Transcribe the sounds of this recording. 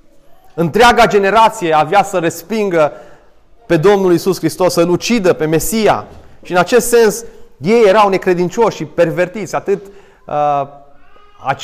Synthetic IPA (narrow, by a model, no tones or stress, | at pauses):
ɨnt̪ɾeɪaɡad͡ʒe̞ne̞ɾat̪sije̞avjasəɾe̞spiŋɡə | pe̞d̪o̞mnulisuskɾist̪o̞səlut͡ʃid̪əpe̞me̞sija̰ʃiɨnat͡ʃe̞st̪se̞nsje̞je̞ɾawne̞kɾe̞d̪int͡ʃo̞ʃʃipe̞rve̞rt̪it̪sʲat̪ɨt̪ | a